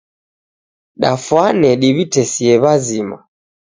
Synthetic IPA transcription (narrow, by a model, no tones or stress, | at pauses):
ɗafwanɛɗiβitɛsiɛβazima̰